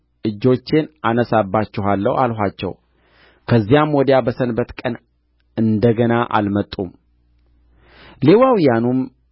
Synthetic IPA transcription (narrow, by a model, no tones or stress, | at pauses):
ʔɨd͡ʒːo̞t͡ʃːenʔanəsabːat͡ʃːɪɦalːə̰wʔalɦat͡ʃːɛ̰w | kʰəzːijamwɔd̪jabəsənbət̪kʼən | ɨnd̪əɡənaʔa̰lmət̪ʼːum | lewawijanum